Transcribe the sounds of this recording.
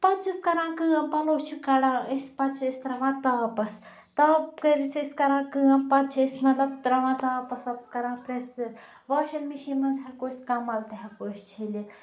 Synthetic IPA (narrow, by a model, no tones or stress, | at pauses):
pɐt͡ʃʰiskɐɾãːkɨːɐpɐloːt͡ʃʰikɐɽãːisʲpɐt͡ʃʰɐisʲt̪ɾɐʋãːt̪aːpɐs | t̪ɐːkəɾit͡sʰiskɐɾãːkɨɐ̃pɐt͡ʃʰɐsʲnɐlɐt̪ɾɐʋãːt̪aːpɐsʋɐpskɐɾãːpɾes | ʋaːʃɐlmiʃimɐnzɦɐɾkoːsʲkɐmɐlt̪ɐɦɐkoʃt͡ʃʰeli